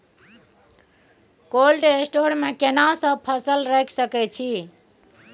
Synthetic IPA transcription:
kolɖesʈoɾmekenasə̃b̚pʰəsəlɾəkʰsəkɛt͡ʃʰi

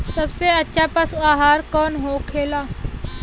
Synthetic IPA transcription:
sɐbseɐtːʃʰapəsaːɦaːɾkɔːnɦokʰeːlaː

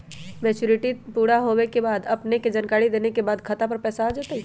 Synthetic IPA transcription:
mɛːt͡ʃuɾɪʈipuːɽaɦowekebaːd̪ɐpneked͡ʒaːnkaːɽid̪eːnekebaːd̪kʰɐt̪apɐɾpɛːsaɦad͡ʒaːt̪ai

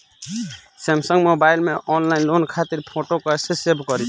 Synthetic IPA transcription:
semsəŋɡmobailmeʔɔnlainlonkʰat̪iɾpʰoʈokesesebʱkɔɾit͡ʃʰ

